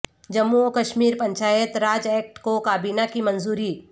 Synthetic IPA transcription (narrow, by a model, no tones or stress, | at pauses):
d͡ʒɐmːuokɐʃmiːɾpɐ̃ɲt͡ʃaːjət̪ɾaːd͡ʒɛːk̚ʈkokaːbiːnakimɐnzuːɾiː